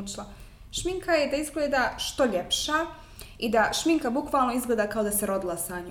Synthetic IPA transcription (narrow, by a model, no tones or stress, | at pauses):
t͡ʃlˠa | ʃmiŋkʰajed̪aizɡled̪aʃt̪o̞ʎe̞pʃaː | id̪aʃmiŋkabukʋaːlˠnoizɡled̪aːkao̞d̪ase̞ɾo̞d̪ilˠasaɲ